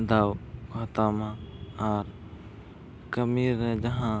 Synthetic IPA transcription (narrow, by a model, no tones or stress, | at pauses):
d̪aːwkɐt̪aːmãaɾ | kəmiːɾnẽd͡ʒəɦãː